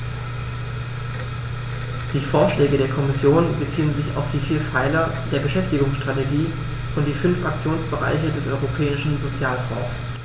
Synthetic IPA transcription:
d̥iːfoːɐʃlɛːɡəɾeːɐkʰɔmɪsjoːnbət͡siːənzɪça̰ʊfd̥iːfiːɐfaɪlɐd̥eːɐbəʃɛftɪɡʊŋsʃtʁ̥ateɡiː | ʔʊntd̥iːfʏnfʔak̚t͡sjoːnsb̥əʁa̰ɪçədɛsʔɔʏʁopʰɛːɪʃn̩zot͡sjaːlfɔ̰̃ːs

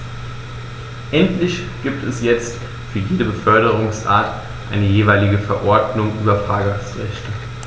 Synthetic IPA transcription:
ʔɛntlɪçɡ̥iːp̚tʰɛsjɛt͡st | fyːɐjeːdəbəfœɐɾəʁʊŋsʔa̰ːɐt | ʔaɪnəjeːvaɪlɪɡəfɛɐʔɔɐdnʊŋʔyːbɐfʁ̥aːɡaxsʁɛçtə

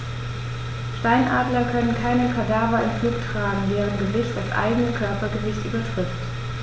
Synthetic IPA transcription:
ʃtaɪnʔaːdlɐkʰœnənkʰaɪnəkʰadɛɐvɐɪmfluːktʁ̥aːɡŋ̩dɛːʁ̞ənɡəvɪçtd̥asʔa̰ɪɡənəkʰœɐpɐɡəvɪçtʔy̰ːbɐtʁ̥ɪft

